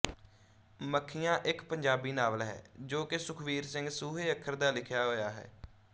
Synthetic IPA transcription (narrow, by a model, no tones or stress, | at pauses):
məkʰːijãːʔɪkpəɲd͡ʒaːbiːnaːʋəlɦɛ̰ːd͡ʒoːkɪsʊkʰʋiːɾsɪŋɡsuːɦeːəkʰːəɾd̪aːlɪkʰjaːɦoːjaːɦɛ̰ː